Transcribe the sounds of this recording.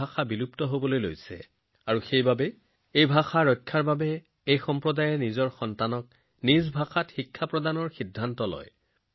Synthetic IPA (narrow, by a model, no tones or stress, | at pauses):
axʰabiluptɔɦobɔlojlojsɛ̰ | aɹuxejbabɛ | ejbʱaxaɹɔjkʰːaɹbabɛ | ejxɔmpɹɔdajɛnizɔɹxɔntanɔk̚ | nizbʱaxatxikʰːapɹɔdanɔɹxidʱːantɔlɔ̰j